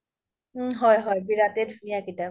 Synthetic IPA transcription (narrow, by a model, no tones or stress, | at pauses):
ɦɔjɦɔjbiɹatedʱunijakita